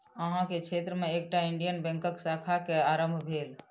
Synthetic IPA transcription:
əɦãket͡ʃʰet̪ɾəmeek̚ʈaiɳɖijənbɛ̃ŋkəksakʰakeaɾəmbʱbʱel

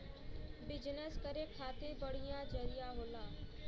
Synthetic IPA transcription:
bɪd͡ʒnəskəɾekʰaːt̪ebəɽ̤ijãd͡ʒəɾɪjaɦoːlaː

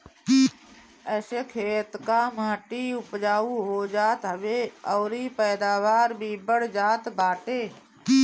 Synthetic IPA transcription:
əsekʰeːt̪kamãːʈiʊpd͡ʒaːuɦoːd͡ʒaːt̪ɦəʋeːɔːɾipɛːd̪aːʋaːɾbʱibəɽd͡ʒaːt̪baːʈeː

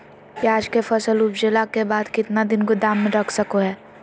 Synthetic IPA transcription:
pjaːd͡ʒkefʰɐsəlubd͡ʒelakebaːd̪kɪt̪nad̪ɪnkod̪aːmːẽɾɐkʰsəkoɦɛː

